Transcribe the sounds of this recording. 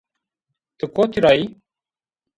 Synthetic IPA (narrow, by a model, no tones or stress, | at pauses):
t̪ɨkot̪ʰiɾai